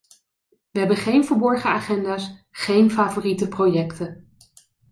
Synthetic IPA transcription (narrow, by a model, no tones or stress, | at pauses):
ʋəɦɛbəχejnvəɹbɔɹχəaːχɛndaːsχejnfaːvoritəprojɛktən